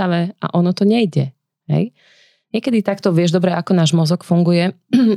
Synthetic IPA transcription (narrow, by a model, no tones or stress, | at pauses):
aʋɛʔa̰ʔɔnɔt̪ɔɲɛjɟɛ | ɦɛ̰j | ɲɪɛkɛd̪it̪akt̪ɔʋɪɛʒd̪ɔbɾɛakɔnaːʒmɔzɔkfuŋɡujɛ